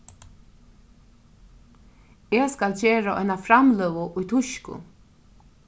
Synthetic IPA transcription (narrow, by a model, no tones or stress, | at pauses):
eːskalt͡ɕeːɾaʔɔ̰ɪnafɾamlœːʋʊʔʊjt̪ʰʊʃkʊ̰